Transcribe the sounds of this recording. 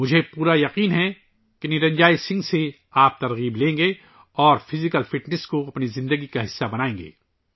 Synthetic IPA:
mʊd͡ʒʱepuːɾajɐqiːnɦɛ | kenɪɾɐ̃ɲd͡ʒaːisɪ̃ŋɡse | aːp̚t̪ɐɾɣiːblẽːŋɡe | ɔːɾfɪzɪkəlfɪʈnɪskoɐpnizɪ̃nd̪əɡikaɦɪsːabɐnaːẽːŋɡḛː

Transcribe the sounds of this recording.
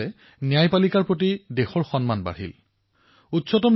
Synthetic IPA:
ɛ | nijajpalikaɹpɹotidexɔɹxɔnmanba̰ɹḭl | utsɔtɔm

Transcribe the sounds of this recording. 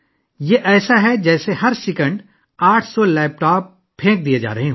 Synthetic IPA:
jeʔɛːsaɦɛd͡ʒɛːseɦɐɾsɪkə̃ɳɖ | aːʈʰsɔlɛːp̚ʈaːp̚ | pʰːẽːk̚d̪ied͡ʒa̰ːɾɐɦeɦː

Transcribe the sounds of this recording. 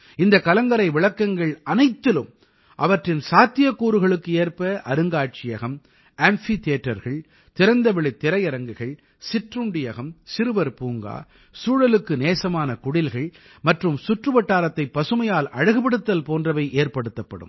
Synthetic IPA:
ɪnd̪ɐkːɐlɐŋɡɐɾɐɪʋɪɭɐkːɐŋɡɐɭɐnɐɪt̪ːɪlɯm | ʔɐʋɐʈrɪnsaːt̪ːɪjɐkːuːɾɯɣɐɭɯkːɯeːɾpɐʔɐɾɯŋɡaːʈ̚t͡ʃɪjɐɣɐm | ɛmfit̪eːʈːɐɾɣɐɭ | t̪ɪɾɐnd̪ɐʋɛɭɪt̪ːɪɾɐjɐɾɐŋɡɯɣɐɭ | sɪʈrɯɳɖɪjɐɣɐmsɪɾɯʋɐɾpuːŋɡa̰ː | suːɻɐlɯkːɯneːsɐmaːnɐkʊɽɪlɣɐɭ | mɐʈrɯmsʊʈrɯʋɐʈːaːɾɐt̪ːɐɪpːɐsɯmɐjaːlʔɐɻɐɣɯpɐɽɯt̪ːɐlpoːndrɐʋɐɪʔeːɾpɐɽɯt̪ːɐpːɐ̰ɽɯ̰m

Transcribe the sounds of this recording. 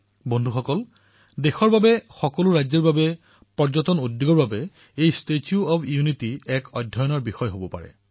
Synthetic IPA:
bɔndʱuxɔkɔl | dexɔɹbabɛxɔkɔlʊɹajzɛɹbabɛ | pɔɹzɔtɔnudjuɡɔɹbabɛ | ejstetʰiuɔpʰijunitiɛkɔdʱjɔjɔnɔɹbixɔjɦobɔpa̰ɹɛ̰

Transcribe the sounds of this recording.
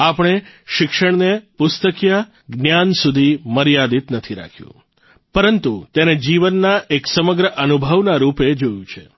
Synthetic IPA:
apɽ̃eʃɪkʃəɳnepʊst̪əkja | ɡnjansud̪ʱiməɾjad̪it̪nət̪ʰiɾa̰kʰjṵ̃ | pəɾənt̪ut̪ened͡ʒiʋənːaʔeksəməɡɾəʔənubʱəʋnaɾuped͡ʒojũt͡ʃʰe

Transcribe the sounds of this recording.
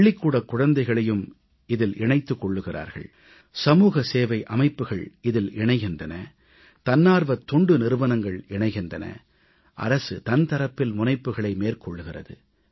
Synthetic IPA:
ɭːɪkːuːɽɐkːʊɻɐnd̪ɐɪɣɐɭɐjɯm | ɪðɪlʔɪɳɐɪt̪ːɯkːɔɭːɯɣɪra̰ːɾɣɐ̰ɭ | sɐmuːɣɐseːʋɐɪʔɐmɐɪpːɯɣɐɭɪðɪlʔɪɳɐɪɣɪndrɐnɐ | t̪ɐnːaːɾʋɐt̪ːɔɳɖɯnɪɾɯʋɐnɐŋɡɐɭɪɳɐɪɣɪndrɐnɐ̰ | ʔɐ̰ɾɐsɯt̪ɐnt̪ɐɾɐpːɪlmʊnɐɪpːɯɣɐɭɐɪmeːrkɔɭːɯɣɪrɐ̰ðɯ

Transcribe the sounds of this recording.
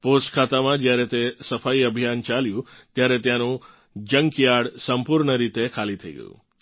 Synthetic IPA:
posʈkʰat̪amãd͡ʒjaɾɛt̪esəfaiəbʱijant͡ʃaljũt̪jaɾet̪jãnũ | d͡ʒəŋɡkijaɽsəmpuɾɳəɾit̪ekʰalit̪ʰəḭɡə̰jṵ̃

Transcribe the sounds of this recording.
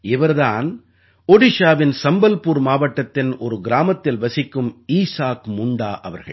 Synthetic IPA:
ɪʋɐɾðaːn | ɔɽɪʂaːʋɪnsɐmbɐlpuːɾmaːʋɐʈːɐt̪ːɪnɔɾɯɡɪɾaːmɐt̪ːɪlʋɐsɪkːɯmiːsaːkmʊɳɖaːʔɐʋɐɾɣɐ̰ɭ

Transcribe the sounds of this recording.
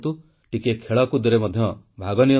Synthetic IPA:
t̪u | ʈikekʰeɭɔkud̪iɾemɔd̪ʱjɔ | bʱaɡɔnijɔ

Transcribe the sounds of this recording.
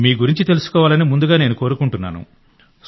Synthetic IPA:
miːɡuɾiɲt͡ʃit̪e̞lusu̥kɔːʋaːlɐnimund̪uɡaːne̞ːnuko̞ːɾukuɳʈunːa̰ːnṵ

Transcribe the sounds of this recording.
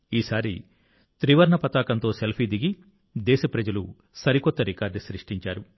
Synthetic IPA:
iːsaːɾi | t̪ɾiʋɐɾɳɐpɐt̪aːkɐnt̪o̞ːselpʰiːd̪iɡi | d̪ɛːʃɐpɾɐd͡ʒɐlu | sɐɾikɔt̪ːɐɾikaːɾɖsɾiʂʈiɲt͡ʃaːɾu

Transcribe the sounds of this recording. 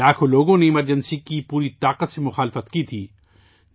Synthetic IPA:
aːkʰoloːɡõneɪməɾd͡ʒənsikipuːɾit̪aːqət̪semʊxaːlɪfət̪kit̪ʰiː

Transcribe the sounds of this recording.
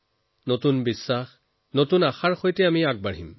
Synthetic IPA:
notunbisːax | notunaxaɹxojtɛamiaɡ̚baɽ̤ḭm

